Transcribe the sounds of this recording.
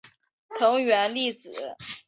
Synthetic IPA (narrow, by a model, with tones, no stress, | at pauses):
t̪ʰɤ˧˥ŋɥɛ˧˥nli˥˩t͡sɹ̩˨˩˦